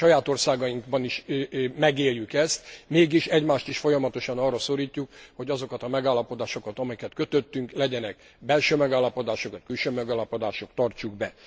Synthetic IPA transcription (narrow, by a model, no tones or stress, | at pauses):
ʃɒjaːt̪o̞rsaːɡɒiŋkbɒniʃmɛɡeːljykɛst̪meːɡiʃɛɟmaːʃt̪iʃfo̞jɒmɒt̪o̞ʃɒnɒːrːɒso̞ɾiːcːukho̞ɟɒzo̞kɒt̪ɒmɛɡaːlːɒpo̞d̪aːʃo̞kɒt̪ɒmɛkɛt̪køt̪øt̪ːyŋklɛɟɛnɛk | bɛlʃøːmɛɡaːlːɒpo̞d̪aːʃokʋɒc̚kylʃøːmɛɡaːlːɒpo̞d̪aːʃokt̪ɒrt͡ʃuɡbɛ